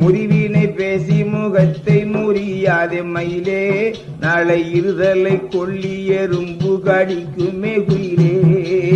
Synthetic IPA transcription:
mʊɾɪʋiːnɐɪpeːsimuːɣɐt̪ːɐɪnuːɾɪjaːðemɐjɪleː | naːlɐɪɾɯðɐlɐɪkːɔɭːɪjɐɾʊmbɯkaːɽɪkːɯmeːkʊjɪleː

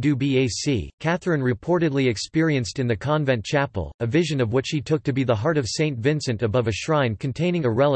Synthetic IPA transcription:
dʉbieɪsḭkʰæθɹɨ̃nɹɨpʰɔɹɾɨdˡliɨkspɪɹiɨ̃nstɨ̃nðɨkʰɑ̃ɱvɛ̃nt͡ʃʰæpl̩ˠɨvɪʒɨ̃nʌvwɪt͡ʃhitʰʊk̚tʰɨbiðəɦɑɹɾʌv̥sẽɪ̃ntvɪ̃nsɨ̃ntɨbʌvɨʃɹãɪ̃nkʰɨ̃ntʰẽɪ̃nɪ̃ŋɨɹɛlˠə

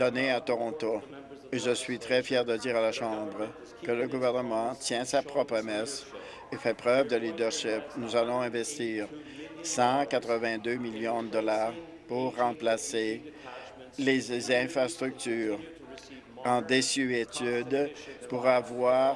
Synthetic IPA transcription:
d̪̥ɔneat̪ɔʁɔ̃t̪oeʒəsɥit̪χɛfjɛːʁd̪əd̪iːʁalaʃɑ̃bʁə | kələɡuvɛʁnəmɑ̃t̪jɛ̃sapχɔpʁəmɛs | efɛpχœvd̪əlid̪œʁʃipnuzalɔ̃ɛ̃vɛst̪iːʁ | sɑ̃kat̪χəvɛ̃d̪ømiljɔ̃d̪əd̪ɔlaːʁ | puʁːɑ̃plase | lezɛ̃fʁast̪ʁyk̚t̪yːʁ | ɑ̃d̪esyet̪yd̪puʁavwaːʁ

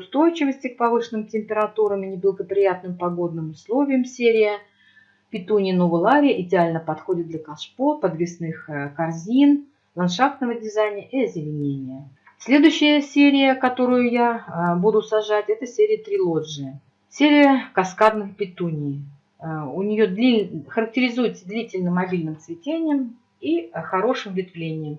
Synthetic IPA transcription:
ʊst̪o̞jt͡ɕɪvəsʲtʲɪk̚pɐvɨʂɨnɨmtʲɪmʲpʲɪɾɐt̪uɾəmɨnʲɪblˠəɡəpɾʲɪjat̪nɨmpɐɡo̞d̪nɨmʊslˠo̞vʲɪjəmsʲeɾʲɪjə | pʲɪt̪unʲɪjnovəlˠaɾʲɪjəʔɪdʲɪalʲnəpɐt̪xo̞dʲɪt̪̚d̪lʲəkɐʂpopəd̪vʲɪsnɨxkɐrzʲin | lˠɐnʂaft̪nəvədʲɪzajnʲɪəʔiɐzʲɪlʲɪnʲenʲɪjə | sʲlʲe̞d̪ʊjɕːɪjəsʲeɾʲɪjəkɐt̪o̞ɾʊjʊjabud̪ʊsɐʐatʲɛt̪əsʲeɾʲɪjət̪ɾʲɪlˠo̞ʐɨjə | sʲeɾʲɪjəkɐskad̪nɨxpʲɪt̪unʲɪj | ʊnʲɪjod̪ʲixəɾək̚tʲɪɾʲɪzujɪt̪səd̪lʲitʲɪlʲnɨmːɐbʲilʲnɨmt̪svʲɪtʲenʲɪjəm | ixɐɾo̞ʂɨmvʲɪt̪vlʲenʲɪjəm

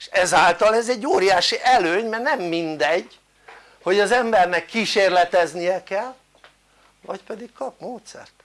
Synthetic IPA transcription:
eʃɛzaːlt̪ɒlɛzɛɟːoːɾijaːʃiʔɛløːɲmɛrnɛmːind̪ɛɟ | ho̞ɟɒzɛmbɛrnɛkːiːʃeːrlɛt̪ɛznijɛkɛlː | vɒcpɛd̪ikkɒpmoːt̪sɛ̰rt̪

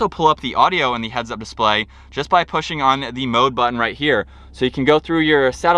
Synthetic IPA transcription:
oʊpʰʊlˠʌp̚ðiʔɔɾioʊə̃nðɨɦɛdzʌp̚d̥ɨspleɪ̥ | d͡ʒ̥ʌsb̥aɪpʰʊʃɪ̃ŋə̃nðɨmoʊd̚bʌʔn̩ɹaɪt̚hiɹ | soʊjɨkʰn̩ɡoʊθɹʉjə˞sæɾ

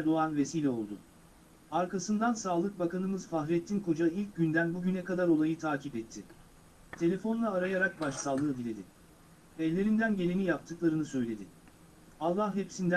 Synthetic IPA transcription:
ɾd̪o̞anve̞siːlʲɛolˠd̪ʊ | aɾkasɯnd̪ansaːlˠɯk̚bakanɯmɯz̥faxɾɛt̪ʰːinkod͡ʒailʲc̚ɟynd̪ænbuɟynɛkad̪aɾo̞lˠajɯt̪ʰaːcʰipɛt̪ʰːɪ | t̪ʰe̞lʲe̞fo̞nlˠaːɾajaɾak̚baʃsalˠːɯːb̪ilʲe̞d̪ɪ | ɛlʲːe̞ɾind̪ænɟe̞lʲenijapt̪ʰɯklˠaɾɯnɯsø̞jlʲe̞d̪ɪ | alˠːahɦepsind̪æ

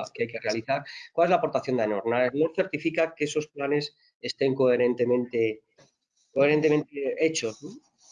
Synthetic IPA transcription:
keajke̞re̞aliθaɾkwalezlapo̞ɾt̪aθjo̞nd̪anoɾnaesnoθe̞ɾt̪ifikakeeso̞splane̞s | e̞st̪e̞ŋkoeɾe̞nt̪e̞mẽnt̪e̞ | ko̞eɾe̞nt̪e̞mẽ̞nt̪ee̞t͡ʃo̞zno

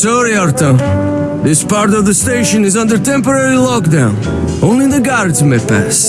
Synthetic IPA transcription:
sɔɹiɔɹto | ðɪspɑɹtʌvðəsteɪʃɨ̃nɨzʌ̃ndə˞tɛ̃mpə˞ɛɹilɔk̚dãʊ̃n | ʔõʊ̃nlĩnðɨɡaɹdzmepæ̰s

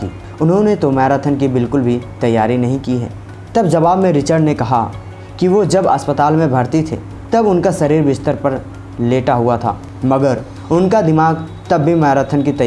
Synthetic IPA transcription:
iː | ʊnɦõnet̪omɛːɾət̪ʰənkibɪlkʊlbʱit̪ɐjːaːɾinɐɦĩkiɦɛ̰ː | t̪ɐbd͡ʒɐbaːbmẽɾɪt͡ʃəɾɖnekɐɦa̰ | kiʋod͡ʒɐbɐ̰spət̪aːlmẽbʱɐɾt̪it̪ʰḛ | t̪ɐbʊnkasɐɾiːɾbɪst̪əɾpɐɾ | leːʈaɦʊat̪ʰa̰ː | mɐɡəɾ | ʊnkad̪ɪmaːɡ | t̪ɐbːimɛːɾət̪ʰənkit̪ɐ

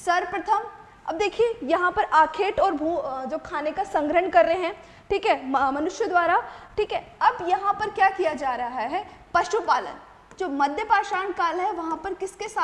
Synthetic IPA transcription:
sɐɾpɾɐt̪ʰəm | ɐ̰b̚d̪eːkʰiejɐɦãpɐɾaːkʰeːʈɔːɾbʱuːd͡ʒoːkʰaːnekasɐ̃ŋɡɾəɳkɐɾːɐɦeɦɛ̃ | ʈʰiːkɦɛmɐnʊʃjəd̪ʋaːɾaʈʰiːkɦɛɐbjɐɦãpɐɾkjaːkijad͡ʒaːɾɐɦaɦaɦɛpɐʃupaːlə̰n | d͡ʒoːmɐd̪ʱjəpaːʃaːnkaːlɦɛʋɐɦãpɐɾkɪskesaː

